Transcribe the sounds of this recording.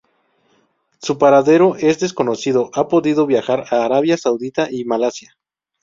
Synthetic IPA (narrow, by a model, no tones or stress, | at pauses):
supaɾaðe̞ɾo̞ʔe̞zðe̞s̬ko̞no̞siðoʔapo̞ðiðo̞βjaxaɾaːɾaβjasawðit̪aʔimalasja